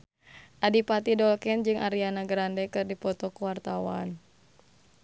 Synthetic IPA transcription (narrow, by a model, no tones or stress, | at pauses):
ʔadipat̪idɔlkɛnd͡ʒɨŋʔaɾianaɡɾandɛkɨrdipɔt̪ɔkuwart̪awan